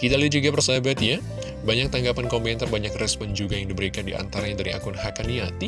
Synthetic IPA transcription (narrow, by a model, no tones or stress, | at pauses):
kit̪alit̪̚d͡ʒuɡapərsabat̪ja | baɲak̚t̪aŋɡapankɔmpɛnt̪arbaɲakrɛspɔnd͡ʒuɡajaŋdibəɾikandiʔa̰nt̪aɾaɲadaɾiʔa̰kʊnhakaniat̪i